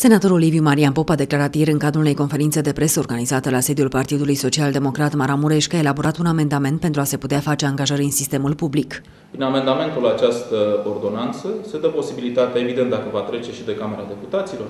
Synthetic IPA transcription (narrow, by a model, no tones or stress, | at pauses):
se̞nat̪o̞ɾo̞livjumaɾianpo̞pad̪e̞klaɾat̪je̞ɾɨŋkad̪ɾulune̞jko̞nfe̞ɾint̪sed̪e̞pɾe̞səo̞rɡanizat̪əlase̞d̪iulpart̪id̪ulujso̞t͡ʃiald̪e̞mo̞kɾat̪maɾamuɾe̞ʃʲkae̞laboɾat̪uname̞nd̪ame̞nt̪pe̞nt̪ɾuase̞put̪eafat͡ʃe̞aŋɡaʒəɾʲɨnsist̪emulpublik | pɾiname̞nd̪ame̞nt̪ulat͡ʃast̪əord̪o̞nant̪səse̞d̪əpo̞sibilit̪at̪aevid̪ent̪d̪akəvat̪ɾe̞t͡ʃe̞ʃid̪e̞kame̞ɾad̪e̞put̪at̪silo̞r